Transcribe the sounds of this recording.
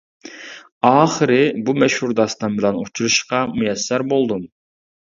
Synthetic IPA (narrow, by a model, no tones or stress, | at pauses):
ɑːχəɾɪbumɛʃhuɾd̪ɑst̪ɑnbɪlɛnot͡ʃʰuɾuʃqɑmujɛsːɛɾbolˠd̪um